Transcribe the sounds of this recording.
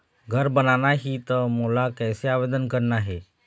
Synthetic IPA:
ɡʱəɾbənanaɦiːt̪əmulakɛjseaʋed̪ənkəɾnaɦe

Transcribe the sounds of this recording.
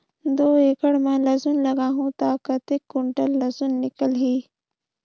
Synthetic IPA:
d̪oːeːkɐɽmãːlɐzunlɐɡaːɦũːt̪aːkɐt̪ekːʊɳʈəlːɐzunːɪkəlɦiː

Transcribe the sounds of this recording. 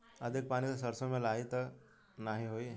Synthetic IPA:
ɐd̪ʱik̚paːñisesɐɾsõmẽlaːɦit̪ | naɦiɦoːi

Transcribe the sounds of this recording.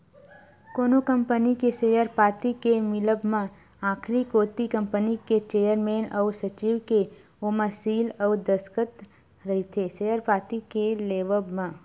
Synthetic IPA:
koːnokə̃mpənikeseːjəɾpaːt̪ikemɪləbmã | aːkʰɾikoːt̪ikə̃mpəniket͡ʃeːjəɾmeːnɔːsɐt͡ʃiːʋke | oməsiːlɔːd̪əskət̪ | ɾɐɦit̪ʰeseːjəɾpaːt̪ikeleːʋəbmã

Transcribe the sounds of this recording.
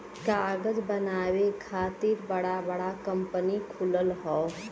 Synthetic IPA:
kaːɡəd͡ʒbənaːwekʰaːt̪iːɾbɐɽabəɽakə̃mpənikʰʊləlɦɔː

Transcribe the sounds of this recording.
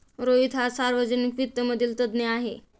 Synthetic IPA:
ɾoit̪ɦasaɾʋəd͡zənikʋit̪ːəməd̪ʱiːlt̪əd̪neaɦe

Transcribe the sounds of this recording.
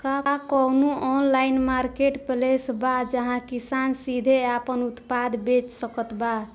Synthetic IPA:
kakɔnuɔnlainmaɾkeʈplesbad͡ʒəɦãkisansid̪ʱeapənut̪pad̪ʱbet͡ʃsəkət̪ba

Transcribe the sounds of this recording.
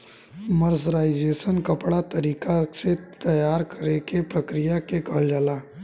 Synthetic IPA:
məɾzɾaːɪd͡ʒeːsənkɐpɽat̪ɐɾiːkaset̪ɐjaːɾkɐɾekepɾɐkɾɪjakeɡʱəld͡ʒəlaː

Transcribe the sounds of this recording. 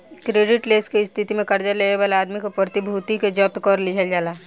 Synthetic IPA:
kɾeːɖɪʈleːskiɪst̪ʰɪt̪imẽkɐɾd͡ʒəleːʋeʋaːleaːd̪mikopɾət̪ɪbʱuːt̪iked͡ʒɐp̚t̪kɔɾlɪɦəld͡ʒaːlaː

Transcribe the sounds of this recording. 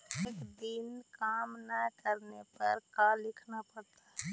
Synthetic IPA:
eːkd̪ɪnkaːmnakəɾnepɐɾkaːlɪkʰnapɐɽt̪aɦɛ

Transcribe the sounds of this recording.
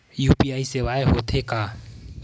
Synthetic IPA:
jupʼiaisebaɛhʊt̪ʰekʼa

